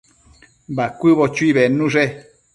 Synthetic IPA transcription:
bakʷɨβot͡ʃuiβenũʐe

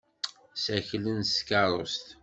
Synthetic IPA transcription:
sæçlənskɑɾˤo̰st̪

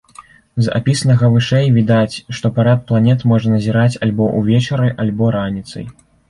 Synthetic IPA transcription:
za̰pʲisɐnɐɣɐvɨʂɛjvʲid̪at͡sʲʂt̪ɔpaɾat̪̚plˠanʲɛt̪mɔʐɐnɐzʲiɾat͡sʲalʲbɔʔuvʲɛt͡ʂɐɾɨʔalʲbɔɾanʲit̪sɐ̰j

